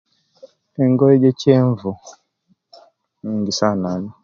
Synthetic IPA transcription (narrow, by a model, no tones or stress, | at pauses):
ɛŋɡɔɛd͡ʒɛt͡ʃɛɱvu | ɲiŋɡisanaɲi